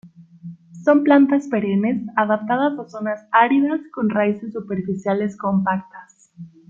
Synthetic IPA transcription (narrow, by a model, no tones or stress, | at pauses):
so̞mplant̪asfeɾene̞saðap̚t̪að̞azaso̞nasaɾiðasko̞nraise̞sːupe̞ɾfisjale̞sko̞mpak̚t̪as